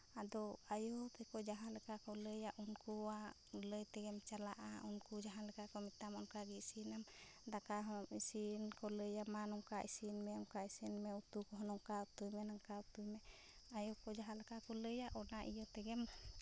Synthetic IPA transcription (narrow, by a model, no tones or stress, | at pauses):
ad̪ɔajɔt̪ɛkɔd͡ʒaɦãlɛkakɔləjaʔunkuwa | ləjt̪ɛɡɛmt͡ʃalaʔa̰unkud͡ʒaɦãlɛkakɔmit̪amɔnkaɡisinam | d̪akaɦɔisinkɔləjamanɔŋkaʔisinmɛɔnkaisinmɛut̪ukɔɦɔnɔŋkat̪ujmɛnaŋkaut̪ujmɛ | ajɔkɔd͡ʒaɦãlɛkakɔləjaʔɔnaʔijɔt̪ɛɡɛm